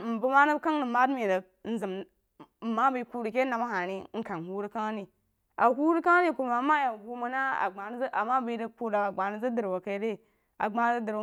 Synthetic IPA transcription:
m̩˨bu˦ma˦nə˦bka˦ŋnə˨ma˦dmi˨də˨k | n̩˦zi˨m̩˨ | ma˦bi˦ku˦ɾi˨ke˦na˨ma˦ha˨ni˦ŋ̩˦ka˨n˨hu˦ɾi˦ka˦ŋ˦ni˨ | a˨hu˦ɾi˦ka˦ni˦ku˨ma˨ma˦ja˨ɡu˦mu˦na˦a̰˨ɡ͡ba˨n˦ʔa˨ma˦bi˦də˦ku˦ɾa˨a˨ɡ͡ba˨nə˦zə˦də˨ɾwa˨ka˨˦ɾe˦˨ | a˨ɡ͡ba˦n˦də˨ɾ

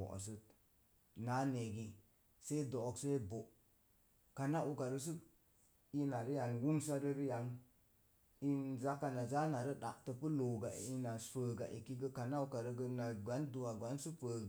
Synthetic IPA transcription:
ɔ̰˨ʔs̬ə˧t̚ | na˨˦ne˨ɡi˧ | se˦i˦do˨kse˦bo˨ʔ | ka˨na˦ʔu˧ka˨ɾə˧s̬u˦ | i˧na˨ɾə˦ja˨nwu˦nsa˦ɾə˦ɾə˦ja˨n | i˧nza˦kːa˧na˨za˦na˨ɾə˦ɗa̰˨ʔtə˧pə˦lo˨ɡa˨i˧na˨˦fə˨ɡa̰˨ʔḭ˨ki˦ɡə˦ka˨na˦u˧ka˨ɾə˧ɡə˧na˨ɡʷa˨˦ndu˧a˨ɡa˨˦nsu˦pə˨

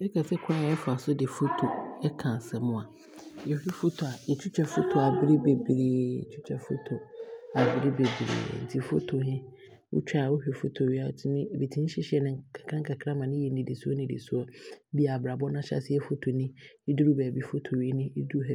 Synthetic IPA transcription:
ɛ˦kʰa˨sɛ˦kʰã˦˨ɛ˦fʊ˨a˨sʊ˦dɪ˨fo˦tʰo˨ɛ˦kʰã˨sɛ˨mʊ̃˦˨a˨ | jɛ˨hᶣɛ˦fo˦tʰo˨a˨ɛ˨t͡ɕʰᶣu˦t͡ɕᶣɛ˨fo˦tʰo˨a˨bɪ˦ɾi˦be˨bɾḭ˨t͡ɕʰu˦t͡ɕʰᶣɛ˨fo̰˦tʰo˨a˨bɪ˦ɾi˦be˨bɾḭ˨n̩˨tʰi˨fo˦tʰo˨ɦɪ̃˦ | wʊ̰˦t͡ɕᶣwʊ˦hᶣɛ˨fo˦tʰo˨ɥi˦a˨tnɪ̃˦˨be˨tʰi˦n˦ɕɪ˦ɕɪ˦ɛ˨nɪ̃˦ŋkʰa˨kʰã˦ŋ̩kʰa˨kʰɾã˦mã˨nɪ̃˦jɛ˨nĩ˨di˨su˦ɔ˦nɪ̃˨dḭ˨sʊ˦ɔ˨˦bi˦a˨bɾa˨bɔ˦nã˦ɕa̰˦sɪ˦ɛ˦fo˦tʰo˨nɪ̃˦i˦du˦ɾu˦bæː˨bi˦fo˦tʰo˨ɥi˦nĩ˦i˦du˦ɦɛ˦

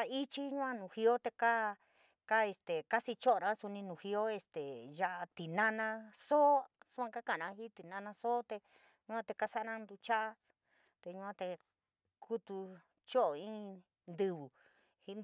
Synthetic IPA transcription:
a˧i˦t͡ʃi˦ɲũ˦ã˦nũ˨hi˧o˦t̪e˧ka˦ | ka˦e˧st̪e˨ka˦si˧t͡ʃo˦ʔo˨˧nã˧˦su˧nĩ˧nũ˨hi˧o˦e˧st̪e˨ʒa˧ʔa˧t̪i˨nã˦nã˧so˦su˦ã˧ka˦kã˦˧˨nã˧hi˦t̪i˨nã˧nã˧so˦t̪e˧ | ɲũ˦ã˦˧t̪e˧ka˦sa˦˧nã˦nd̪u˧t͡ʃa˦ʔa˦ | t̪e˧ɲũ˧ã˧t̪e˧ | kʰu˦t̪u˧ | t͡ʃo˦ʔo˨ĩ˦ | nd̪ɨ˧βu˨ | hi˧

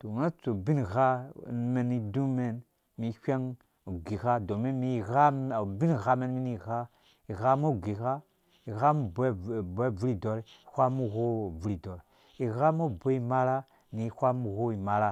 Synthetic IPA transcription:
to˨ŋa˦t͡so˨bi˦n˨ɣa˦˨n˨˦me˨ni˨du˦me˦n | mi˨˦hʲʷe˦ŋ | o˨ɡi˨ɣa˦do˨me˦mi˦˨ɣa˦˨bi˦n˨ɣa˦me˦n˦mi˦ni˦˨ɣa˦ | i˨ɣa˦mo˦˨ɡi˨ɣa˦ | i˨ɣa˦mu˦˨bbe˦˨vu˦ɾi˦do˨ɾi˨hʷa˦mu˦ɣo˦˨vu˨ɾi˨do˨ɾ | i˨ɣa˦mo˦˨bo˦i˦˨ma˦la˦ | ni˨˦˨hʷa˦mu˦˨ɣo˦i˨ma˨la˦

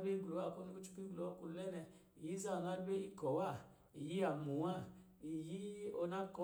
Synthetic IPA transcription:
be˦i˦ɡlo˨wa˦˨ko˦ni˦ku˦t͡ʃu̥˦ki˦ɡlo˨wa˦ku˧˨lɛ˦nɛ˧ | i˨ji˦za˦˨na˦ɾbe˦i˦kɔ˨wa˦˨ | i˨ji˦a˨mu˨˦a˦˨ | i˨ji˦o˧na˦kɔ˦

